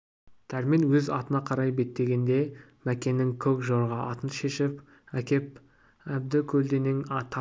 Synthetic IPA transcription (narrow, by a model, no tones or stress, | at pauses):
t̪ʰæɾmenwɵzɑt̪ənɑqʰɑɾɑjbe̞t̪ːe̞ɡʲe̞nd̪e̞ | mækʲe̞nɪŋkʲʰɵkʒoɾʁɑʔɑt̪ənʃe̞ʃɪp | ækʲe̞p̚ | æb̚d̪ɪkʲʰɵld̪enɪŋɑt̪ʰ